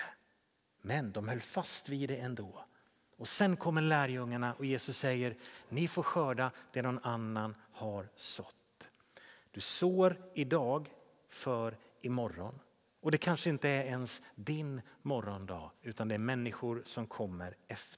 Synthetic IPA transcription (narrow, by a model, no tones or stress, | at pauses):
mɛnd̪ɔmhœlːfast̪viːd̪ɛɛnd̪oː | ɔsɛnkʰɔmːəɾlæːɾjɵŋːaɳaʔɔjeːsɵsːɛjːəɾnɪfoːɾɧœːɖad̪̥ɛnɔnanːanhaɾsɔt̪ː | d̪̥ɵsoːɾɪd̪ɑːɡ | fœːɾɪmɔɾːɔn | ɔd̪ɛkʰanʂəɪnt̪əæɾɛnsd̪ɪnmɔɾːɔnd̪ɑːʉ̟ːt̪and̪ɛæɾmɛnːɪɧʊɾsɔmkʰɔmːəɾɛf